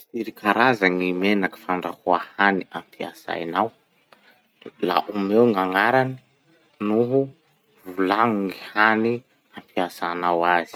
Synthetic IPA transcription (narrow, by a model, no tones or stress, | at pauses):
iɾikʰaɾazaŋimenaki̥faɳɖ͡ʐahuahaniampʰia̰sa̰jnaw | la̰ʔumewŋaŋaɾani̥ | nuɦu | vulaŋuŋihani | ampʰiasanawaz̥i̥